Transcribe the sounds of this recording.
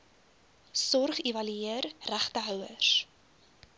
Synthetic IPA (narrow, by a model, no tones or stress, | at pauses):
sɔrχivɐlyiərræχtəɦœwəs